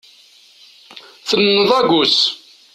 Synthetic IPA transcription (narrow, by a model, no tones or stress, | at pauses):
θənːəðˤæɡus